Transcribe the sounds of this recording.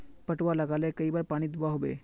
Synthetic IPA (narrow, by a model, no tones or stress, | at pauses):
pɐʈʋalɐɡaːlekɐibaːɾpaːɽ̃id̪ʊbaɦoːbḛː